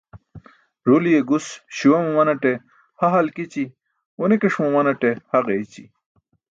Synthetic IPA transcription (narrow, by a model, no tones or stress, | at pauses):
ɾolijeɡusɕiwɐmɐmɐnɐʈe | hɐɦɐlkit͡ɕi | onekeʂmomɐnɐʈehɐʁeit͡ɕi